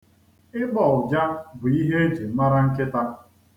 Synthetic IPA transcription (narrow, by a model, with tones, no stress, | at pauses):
ɪ˦k͡pɔ˨ʊ˨d͡ʒa˦bʊ˨i˦ɦe˦e˦d͡ʒe˨˦ma˦ɾa˦ŋ̩˦kɪ˦ta˦